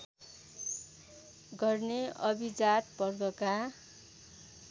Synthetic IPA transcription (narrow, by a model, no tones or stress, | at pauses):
ɡʌrneʌbid͡zat̪pʌrd̪ʌka